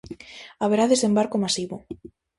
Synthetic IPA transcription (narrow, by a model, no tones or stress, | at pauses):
aβeɾaðesembaɾkomasiβo